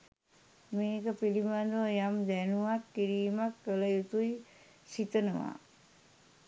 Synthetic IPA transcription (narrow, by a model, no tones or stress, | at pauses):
meːkəpilimand̪ojamd̪ænuakːiɾiːmakːələjut̪uj | sit̪ənəʋa̰